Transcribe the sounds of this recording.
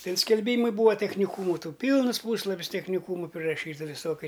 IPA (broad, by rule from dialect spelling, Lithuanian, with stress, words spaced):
ˈtʲɪn sʲkʲɛlʲˈbʲiːmɐɪ ˈbuːʋɐ tʲɛxʲnʲɪˈkuːmʊ ˈtuː ˈpʲiːlˠnɨs ˈpuːslˠɐpʲɪs tʲɛxʲnʲɪˈkuːmʊ pʲrʲɪrɐˈʃʲiːtɐ ʋʲɪˈsoːkʲɛ